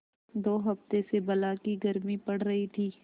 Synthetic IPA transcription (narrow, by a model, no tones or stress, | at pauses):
d̪oːɦɐft̪esebɐlakiɡɐɾmipɐɽ̤ɾɐɦit̪ʰiː